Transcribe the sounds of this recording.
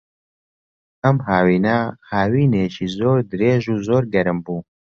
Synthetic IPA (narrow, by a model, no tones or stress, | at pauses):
ɐmɦaːwiːnɐhaːwiːneːcʰiːzoːɾd̪ɨɾeːʒuːzoːɾɡɛɾɨmbuː